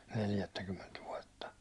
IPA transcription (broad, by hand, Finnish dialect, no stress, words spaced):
neljætːækymːent ʋuɒtːɑ